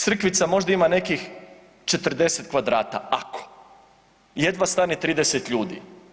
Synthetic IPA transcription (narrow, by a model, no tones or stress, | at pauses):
t̪sr̩kʋit̪samo̞ʒd̪aimane̞kix | t͡ʃe̞t̪r̩d̪e̞set̪̚kʋad̪ɾaːt̪a̰ako̥ | je̞d̪ʋast̪aːnit̪ɾiːd̪eset̪ʎuːd̪ḭ